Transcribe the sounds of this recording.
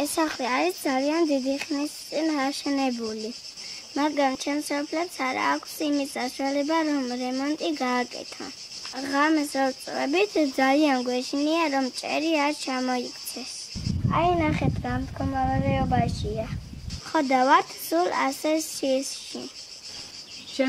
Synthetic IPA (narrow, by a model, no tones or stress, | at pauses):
ɛsaχliaɾisd̪zaliand̪id̪iχnist̪sʼinaʃɛnɛbuli | maɡɾamt͡ʃʰɛmsɔpʰlɛpsaɾa̰ːkʷʰsimit̪sʰʼaʃwalɛbaɾɔmɾɛmɔnt̪ʼiɡaːkʼɛ̰t̪ʰa̰ | ʁamɛsɔɾt̪sʼlɛbit̪ʰd̪zalianɡwɛʃʰniaɾɔmt͡ʃʼɛ̰ɾiaɾt͡ʃʰamɔikʼʰt̪sʰɛs | ainaχɛt̪ʰɡamt̪ɡʰɔmaɾaɾɛɔbaʃiaχɔd̪avaɾt̪ʰsula̰sɛʃisʃḭ | ʃ